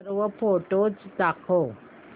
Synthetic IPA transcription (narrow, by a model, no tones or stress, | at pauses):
ɾʋəpoʈot͡sd̪akʰo